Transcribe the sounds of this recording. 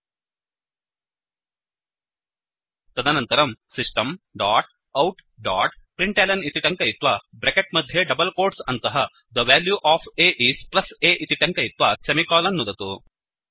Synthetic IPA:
t̪ɐd̪ʱɐnɐnt̪ɐɾɐmsiʂʈɐmɖaːʈ̚ | ɐwʈ | ɖaːʈpɾiɳʈeːlɐnit̪iʈɐŋkɐjit̪ʋɐbɾekeʈ̚mɐd̪ʱjeɖɐbɐlkoːɾʈsɐnt̪ɐɦɐ | d̪ɐʋaːljuʔaːpʰeːʔiːsplɐseːʔit̪iʈɐŋkɐjit̪ʋɐsɐmikaːlɐnːud̪ɐt̪u

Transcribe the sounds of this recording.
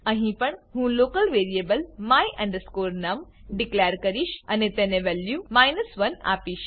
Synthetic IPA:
ɐ̃ɦĩpɐɳ̃ɦũːloːkəlʋeːɾiebəlmaːiʔɛ̃ɳɖəskoːɾnamɖikleːjəɾkɐɾiːʃɐnet̪ẽːnẽʋɛljumaːjnəsʋɐna̰ːpiːʃ

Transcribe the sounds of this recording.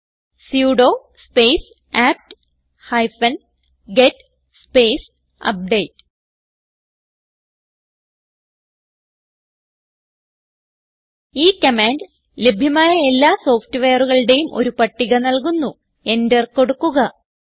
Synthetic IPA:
sjuːɽo̞ː | spejs | aːp̚ʈ | hɐjfɐn | ɡetː | speːs | ɐ̰p̚ɖejtːɨ̥ | iːkɐmaːnd | le̞bʱjɐmaːjɐe̞lːaːso̞ːftɨʋe̞ːɐruɣɐɭɽe̞jumʔo̞̰ɾupɐʈːiɣɐnɐlkunːu | e̞nderko̞ɽukːuɣɐ

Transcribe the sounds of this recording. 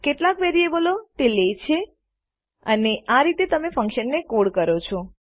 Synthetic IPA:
keʈlakʋeɾiebəlot̪elet͡ʃʰe | əneaɾit̪et̪əmefə̃ŋkʃənːekoɽkəɾot͡ʃʰo

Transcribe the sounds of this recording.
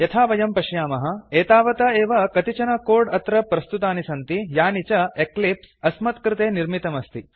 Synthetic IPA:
jɐt̪ʰaːʋɐjɐmpɐʃjaːmɐɦɐ̆eːt̪aːʋɐt̪ɐeːʋɐkɐt̪it͡ʃɐnɐkoːɾɖɐt̪ɾɐpɾɐst̪ut̪aːnisɐnt̪ijaːnit͡ʃɐeklipsɐsmɐt̪kɾɪt̪eːniɾmit̪ɐmɐst̪i

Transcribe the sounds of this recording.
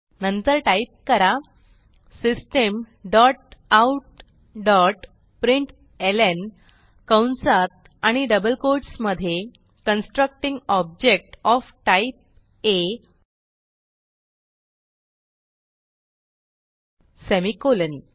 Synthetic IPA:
nənt̪əɾʈaip̚kəɾa | sisʈem | ɖɔʈ̚awʈ | ɖɔʈ | pɾiɳʈ | elen | kawnsat̪̚ | aɽ̃iɖəbəlkoɾʈsməd̪ʱje | kənsʈɾək̚ʈĩŋɡɔb̚d͡ʑek̚ʈɔfʈaip̚ | e | semikolən

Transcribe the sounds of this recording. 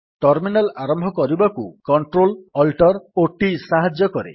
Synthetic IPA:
ʈɔɾminalaɾɔmbʱɔkɔɾibakukɔɳʈɾolɔlʈɔɾoʈisaɦad͡ʒjɔkɔɾḛ

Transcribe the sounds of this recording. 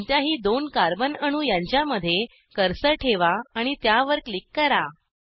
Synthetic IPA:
ɲt̪jaɦiːd̪onkaɾbənəɽ̃ũːjãɲt͡ɕjaməd̪ʱːje | kəɾsəʈʰeʋaaɽ̃it̪jaʋəɾklikːəɾa

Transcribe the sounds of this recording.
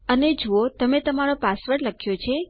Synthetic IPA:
əned͡ʒuot̪əmet̪əmaɾopasʋəɾləkʰjot͡ʃʰe

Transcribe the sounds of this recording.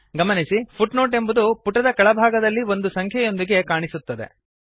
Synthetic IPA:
ɡɐmɐnisipʰuʈno̞ːʈe̞mbud̪upuʈɐd̪ɐkɐɭɐbʱaːɡɐd̪ɐlːio̞nd̪usɐŋkʰjɐjo̞nd̪iɡe̞kaːɳisut̪ːɐd̪e̞̰

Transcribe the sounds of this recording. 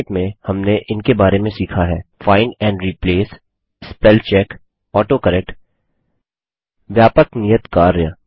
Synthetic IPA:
ʈmẽhɐmneʔɪnkebaːɾemẽsiːkʰaɦɛːfaːɪnɛ̃ːɳɖɾiːpleːs | spɛlt͡ʃɛːk | ɔːʈokəɾɛːk̚ʈ | ʋjaːpəknijət̪kaːɾjə

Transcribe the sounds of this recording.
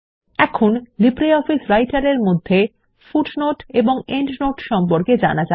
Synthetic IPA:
ɛkʰonlibɾeɔfisɾajʈaɾeɾmod̪ʱːe | fuʈnoʈeboŋeɳʈnoʈʃɔmpoɾked͡ʑa̰nad͡ʑa

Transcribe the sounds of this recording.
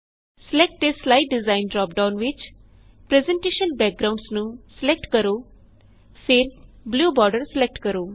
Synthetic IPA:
sɪlɛk̚ʈeːslaɪʈ̚ɖɪzãːɪnɖɾɔːp̚ɖaʊnʋɪt͡ʃ | pɾɛzɛ̃ɳʈeːʃənbɛːk̚ɡɾãʊ̃ɳɖsnũːsɪlɛk̚ʈkəɾoː | pʰɪɾbluːbɔːɾɖəɾsɪlɛk̚ʈkəɾoː

